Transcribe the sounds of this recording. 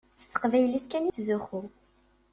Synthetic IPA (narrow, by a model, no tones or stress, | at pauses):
t͡st̪ːə̥qvæjliθkænit͡sːzuxu